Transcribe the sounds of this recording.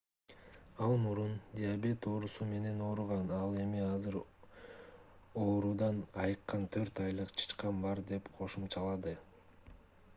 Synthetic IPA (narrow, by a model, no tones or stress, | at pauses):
ɑlˠmuɾund̪ʲiabʲe̞t̪o̞ːɾusume̞ne̞no̞ːɾuʁɑnɑlˠe̞miɑzɯɾ | oːɾud̪ɑnɑjɯqːɑnt̪ʰøɾt̪ɑjlˠɯqt͡ʃʰɯ̥t͡ʃqɑmbɑɾd̪e̞pqʰo̞ʃumt͡ʃʰɑlˠɑd̪ɯ